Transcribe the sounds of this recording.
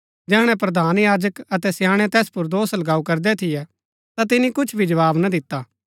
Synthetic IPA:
d͡ʒɛːɽ̃ɛ̃pɾɐd̪ʱaːnjaːd͡ʒəkɐt̪ɛsjaːɽ̃ɛt̪ɛːspʊɾd̪oːslɐɡaːukɐɾd̪ɛt̪ʰɪjɛ | t̪at̪̬ɪnikʊt͡ʃʰbʱid͡ʒɐʋaːbnad̪ɪt̪ːa

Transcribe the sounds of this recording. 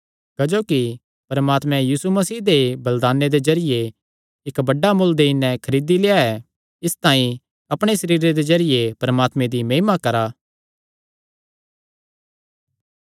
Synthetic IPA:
kɐd͡ʒoːki | pɐɾɐmaːt̪mɛ̃jiːsumɐsiːd̪ebɐld̪aːnːed̪ezɐɾɪje | ɪkbɐɖːamʊld̪eɪnɛ̃kʰɐɾiːd̪ileːaɛ | ɪst̪aːĩ | ɐpɽ̃esɐɾiːɾed̪ezɐɾɪjepɐɾɐmaːt̪mẽd̪imeːmakɐɾaː

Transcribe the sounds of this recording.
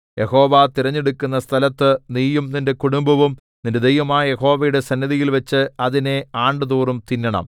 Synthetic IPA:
je̞ho̞ːʋat̪iɾɐɲːeɽukːunːɐst̪ʰɐlɐt̪ːɨniːjumninde̞kuɽumbɐʋum | ninde̞d̪ejʋɐmaːjɐje̞ɦo̞ːʋɐjuɽe̞sɐnːɐðijilʋɐt͡ɕːɨɐðine̞aːɳɖɨðuːrumt̪inːɐɳɐ̰m

